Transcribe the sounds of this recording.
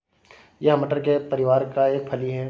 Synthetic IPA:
jɐɦməʈəɾkepɐɾɪʋaːɾkaeːk̚pʰɐliɦɛ

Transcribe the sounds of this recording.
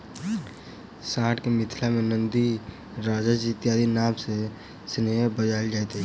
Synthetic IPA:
saːʈkemɪt̪ʰlamẽnə̃nd̪i | ɾaːd͡ʒad͡ʒit̪jaːd̪ʱinaːmse | sneɦbəd͡ʒaːld͡ʒaːet̪ɦe

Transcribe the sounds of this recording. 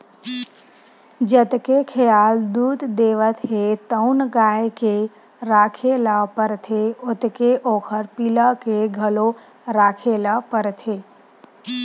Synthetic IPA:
d͡ʒət̪kekʰejaːld̪uːt̪d̪eːʋət̪ɦet̪əʊnɡaːjke | ɾaːkʰeːlapəɾt̪ʰeʊt̪keʔoːkʰəɾpiləkeɡʱəlo | ɾaːkʰelapəɾt̪ʰeː

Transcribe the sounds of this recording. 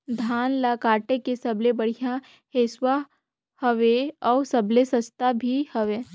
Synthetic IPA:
d̪ʱaːnlakaːʈekesɐblebɐɽ̤ija | heːswa | hɐʋeɔːsɐblesɐst̪abʱihɐʋe

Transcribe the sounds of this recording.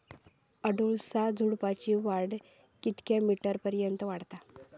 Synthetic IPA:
əɽuɭsad͡zʱuɽpat͡ɕiʋaɽ | kit̪kjamiʈəɾpəɾjənt̪əʋaɽt̪a

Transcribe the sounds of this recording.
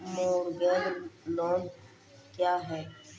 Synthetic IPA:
moːɾɡɛːlloːn | kjaːɦɛː

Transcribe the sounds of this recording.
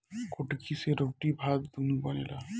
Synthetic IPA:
koʈkʰiseɾoʈibʱaɡt̪umibɔnela

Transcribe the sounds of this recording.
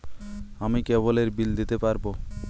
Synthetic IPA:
amikeboleɾbild̪it̪epaɾbo

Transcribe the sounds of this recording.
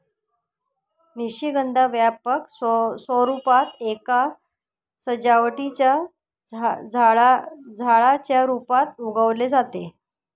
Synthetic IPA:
niɕiɡənd̪ʱaʋjapəkssɔɾupat̪eka | səd͡ʑaʋʈit͡ɕja | d͡zʱaɭd͡zʱaɭat͡ɕjaɾupat̪uɡəʋled͡zat̪e

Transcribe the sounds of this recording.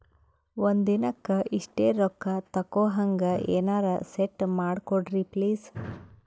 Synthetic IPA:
ʋond̪inɐkːɐʔiʂʈeːɾɔkːɐt̪ɐkːoːɦɐŋɡɐʔeːnaːɾɐseʈːmaːɽkoɽɾipliːs

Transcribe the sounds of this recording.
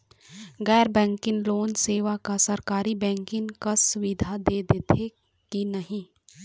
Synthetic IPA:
ɡɛːɾbɛ̃ːŋkɪ̃ŋɡloːnseːʋakasəɾkaːɾibɛ̃ːŋkɪ̃ŋkasʊʋɪd̪ʱad̪eːd̪et̪ʰe | kinəɦĩː

